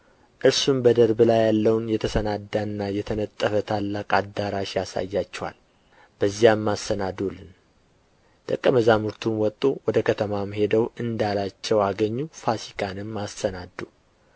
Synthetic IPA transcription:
ʔɨɾsumbəd̪əɾblajːalːəwnjɛt̪ʰəsənad̪ːanːajɛt̪ʰənət̪ʼːəfət̪ʰalːakʼad̪aɾaʃjasa̰jːat͡ʃːɛwa̰l | b̥əzːijamːasənad̪ulɨn | t̪ʼəkʼːəməzamuɾt̪ʰunwɔt̪ʼːowɔd̪əkʰət̪ʰəmamhe̞d̪əwɨnd̪alat͡ʃːɛwaɡəɲːufasikʼanɨmːasːənad̪ːu

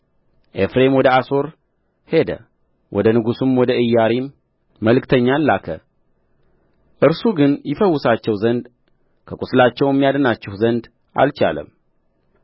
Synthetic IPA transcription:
ʔe̞fɾe̞mwɔd̪əaso̞ɾ | he̞d̪ə̰ | wʔɔd̪ənɨɡusumwɔd̪əɨjːaɾimː | əlkt̪ʰəɲːalːakʰə | ʔɨɾsuɡɨnjɪfəwːʊsat͡ʃːɛwzənd̪ | kʰəkʼuslat͡ʃːɛwjɛmːijad̪ənat͡ʃːɛhzənd̪ | ʔa̰lt͡ʃa̰lə̰m

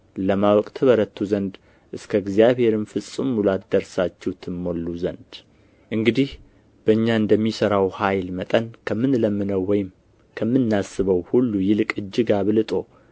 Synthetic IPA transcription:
ləmawɔkʼt̪ʰəβəɾət̪ʰːuzənd̪ | ʔɨskʰəɡzijaβhe̞ɾɨmfɨsʼɨmulat̪d̪əɾsat͡ʃːɛwt̪ʰɨmːo̞lːuzənd̪̥ | ʔɨŋɡɨd̪ih | b̥əɨɲːaɨnd̪əmːisəɾawhajlmət̪ʼənkʰəmɨnləmːɨnəwːɔjɪm | kʰəmːɨnːasːɨβəwhulːujɪlkʼɨd͡ʒːɪɡaβɨlɨt̪ʼo̞

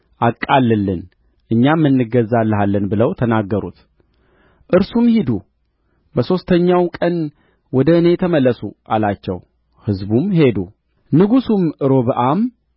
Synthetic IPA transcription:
ʔakʼːalːɨlːɨn | ʔɨɲːamːɨnːɨɡəzːalːəɦalːənbɨləwt̪ʰənaɡːəɾṵt̪ | ʔɨɾsumhid̪u | bəso̞st̪ʰəɲːawkʼən | wɔd̪əɨne̞t̪ʰəməlːəsuʔa̰lat͡ʃːɛ̰w | hɨzbumhe̞d̪u | nɨɡusumɨɾo̞βɨʔam

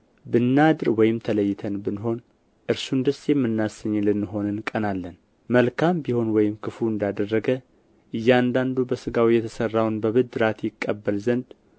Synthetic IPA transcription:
bɨnːad̪ɨɾwɔjɪmt̪ʰələjːɪt̪ʰənbɨnɦo̞n | ʔɨɾsund̪əsjɛmːɨnːasəɲːlɨnːɨɦo̞nɨnkʼənalːən | məlkʰambiho̞nwɔjɪmkʰɨfuɨnd̪ad̪ərːəɡə | ʔɨjːɛand̪and̪ubəsɨɡawijːɛt̪ʰəsərːawnbəβɨd̪ɨɾat̪jɪkʼːəbːəlzənd̪

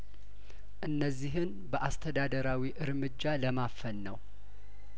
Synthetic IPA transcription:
ʔɨnːəzːiɦɨn | bəʔast̪ʰəd̪ad̪əɾawiʔɨɾmɨd͡ʒːaləmafəlːəw

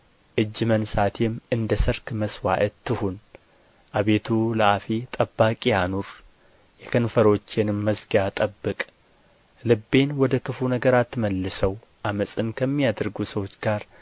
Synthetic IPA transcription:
ʔɨd͡ʒːmənsat̪ʰemʔɨnd̪əsɨɾkməswa̰ʔət̪ʰːɨhun | ʔaβe̞t̪ʰuləafit̪ʼəbːakʼianuɾ | jɛkʰənfəɾo̞t͡ʃːenɨmːəsɡjat̪ʼəbːɨkʼ | lɨbːe̞nwɔd̪əkʰɨfunəɡəɾat̪ːɨməlːɨsəw | ʔaməsʼɨmkʰəmːijad̪ɨɾɡusəwo̞t͡ʃːɡaɾ

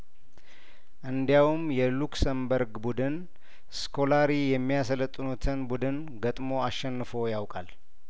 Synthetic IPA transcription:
ʔɨnd̪jawumjɛluksəmbəɾɡbud̪ɨn | skʰo̞laɾijɛmːijasələt̪ʼːɨnut̪ʰɨnbud̪ɨn | ɡət̪ʼmo̞asːɛnːɨfo̞jawkʼal

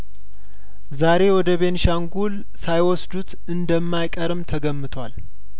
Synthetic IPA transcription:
zaɾe̞wɔd̪əβe̞nʃaŋɡul | sajwɔsd̪ut̪ | ɨnd̪əmːajkʼəɾɨmt̪ʰəɡəmːɨt̪ʰwal

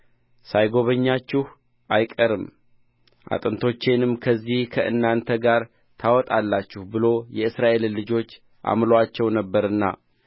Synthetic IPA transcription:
sajɡo̞βəɲːat͡ʃːɪh | ʔajkʼəɾɨm | ʔa̰t̪ʼɨnt̪ʰo̞t͡ʃːenɨmkʰəzːihkʰəʔɨ̰nːant̪ʰəɡaɾ | t̪ʰawɔt̪ʼalːat͡ʃːɪhbɨlo̞jɛɨsɾaʔe̞llɨd͡ʒo̞t͡ʃː | ʔa̰mloat͡ʃːɛwnəbːəɾɨnːa̰

